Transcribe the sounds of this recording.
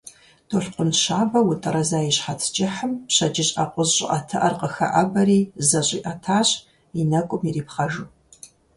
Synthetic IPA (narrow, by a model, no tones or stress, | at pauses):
d̥oɬqʷʊnʃaːvɐwʊtʼɐɾɐzaːiɕħatʰd͡ʒɪħəmpɕɐd͡ʒɪɕʼaqʷʼʊzɕʼɪʔɐtʰɨʔɐrqʼəxɐ̰ʔɐbɐɾiːzɐɕʷʼiːʔatʰaːɕʼ | inɐkʷʼʊmiriːpχɐʒu